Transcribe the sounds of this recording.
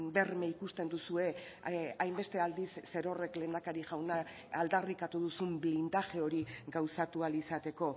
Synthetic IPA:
be̞rmeikust̪e̞nd̪usue̞ | ajmbe̞st̪e̞ald̪isːe̞ɾo̞re̞kle̞ːnd̪akaɾiʝawna | ald̪arikat̪uðusumblind̪aʝe̞o̞ɾiɡawsat̪ualisat̪e̞ko̞

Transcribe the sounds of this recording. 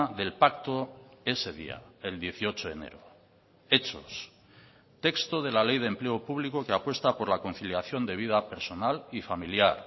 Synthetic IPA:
ðe̞lpakt̪o̞e̞se̞ðḭa̰eld̪je̞θio̞t͡ʃoðe̞̰nḛɾo | e̞t͡ʃo̞s | t̪e̞kst̪o̞ð̞e̞lale̞jðempleopuβlikokeapwe̞st̪apo̞ɾlako̞n̟θiljaθjo̞nd̪e̞β̞ið̞ape̞ɾso̞nalifamiljaɾ

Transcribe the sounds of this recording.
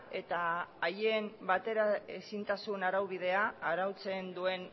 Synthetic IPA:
e̞t̪aːjembat̪e̞ɾae̞sint̪asuenaɾawβiðe̞aːɾawt͡se̞nd̪ue̞n

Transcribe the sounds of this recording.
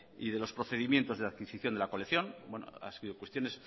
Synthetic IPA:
iðe̞lo̞spɾo̞θe̞ðimje̞nt̪o̞zðeaðkisiθjo̞nd̪e̞lakoleθjo̞nbwe̞no̰a̰seɣiðokwest̪jo̞ne̞s

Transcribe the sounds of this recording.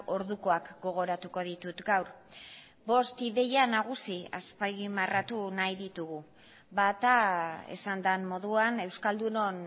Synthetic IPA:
o̞ɾðuko̞akɡo̞ɣ̞o̞ɾat̪uko̞ð̞it̪ut̪ɡawɾ | bo̞st̪iðe̞janaɣ̞usiaspajɣimarat̪unajðit̪uɣu | bat̪ae̞̰sand̪anmo̞ðuane̞wskald̪uno̞n

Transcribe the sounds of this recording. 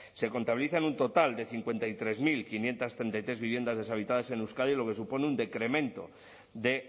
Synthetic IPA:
se̞ko̞nt̪aβiliθaenunt̪o̞t̪ald̪e̞θiŋkwe̞nt̪ajt̪ɾe̞zmilkinje̞nt̪ast̪ɾent̪ajt̪ɾeβiβje̞nd̪azðe̞saβit̪aðase̞newskaljilo̞ke̞s̬upo̞neund̪e̞kɾe̞mẽ̞nt̪o̞̰ | ðe̞

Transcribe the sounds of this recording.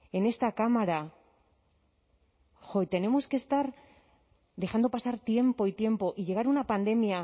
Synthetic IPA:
e̞ne̞st̪akamaɾa | xo̞it̪e̞ne̞moske̞st̪aɾ | ðe̞xand̪o̞pasaɾt̪je̞mpo̞it̪je̞mpo̞ʔiʝe̞ɣ̞aɾunapand̪e̞mia

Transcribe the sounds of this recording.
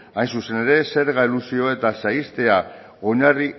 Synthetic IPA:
ajnsuse̞ne̞ɾe̞se̞ɾɣailusio̞e̞t̪asaist̪e̞a | o̞ɲari

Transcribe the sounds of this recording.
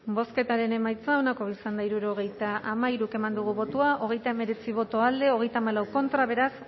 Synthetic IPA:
bo̞ske̞t̪aɾe̞ne̞majt͡sao̞nako̞isand̪aiɾuɾo̞ɣ̞e̞jt̪aʔamaiɾuke̞mand̪uɣ̞uβo̞t̪uaʔo̞ɣ̞e̞jt̪aeme̞ɾe̞t͡siβ̞o̞t̪o̞ald̪e̞o̞ɣ̞e̞jt̪aːmalawko̞nt̪ɾaβ̞e̞ɾas

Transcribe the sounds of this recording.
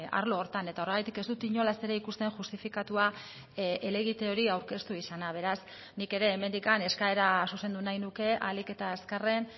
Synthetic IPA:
a̰ɾlo̞ːɾt̪ane̞t̪ao̞re̞ɣajt̪ike̞zd̪ut̪iɲo̞lase̞ɾe̞ikust̪e̞nʝust̪ifikat̪ua | ele̞ɣit̪eo̞ɾiawɾke̞st̪uisanaβ̞e̞ɾas | nike̞ɾe̞ːme̞nd̪ikane̞skae̞ɾasuse̞nd̪unajnuke̞alike̞t̪aːskare̞n

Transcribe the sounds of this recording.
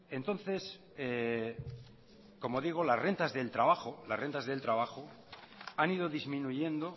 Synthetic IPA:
e̞nt̪õ̞n̟θe̞s | e | ko̞moð̞iɣ̞olasre̞nt̪azðe̞lt̪ɾaβaxolasre̞nt̪azðe̞lt̪ɾaβaxo | anið̞oðizmĩnuʝẽ̞nd̪o̞

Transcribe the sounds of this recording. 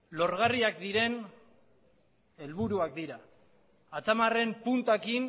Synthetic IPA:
lo̞ɾɣariak̚d̪iɾe̞n | e̞lβuɾuak̚d̪iɾaː | t͡samare̞mpunt̪akin

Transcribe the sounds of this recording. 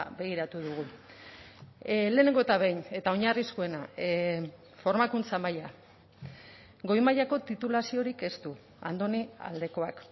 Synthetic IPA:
be̞ɣ̞iɾat̪uðuɣ̞u | le̞ːneŋɡot̪aβe̞jɲe̞t̪ao̞ɲariskue̞na | fo̞ɾmakunt͡samaja | ɡo̞jmajako̞t̪it̪ulasio̞ɾike̞st̪u | a̰nd̪o̞nia̰ld̪e̞ko̞ak

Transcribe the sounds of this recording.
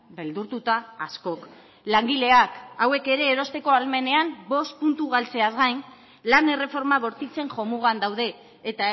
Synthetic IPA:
be̞ld̪uɾt̪ut̪aːsko̞k | laŋɡile̞akawe̞ke̞ɾe̞ːɾo̞st̪e̞ko̞alme̞ne̞ambo̞st̪̚punt̪uɣ̞alt͡se̞azɣajn | lane̞re̞fo̞ɾmaβ̞o̞ɾt̪it͡se̞ŋʝo̞muɣand̪awð̞e̞ː | t̪a

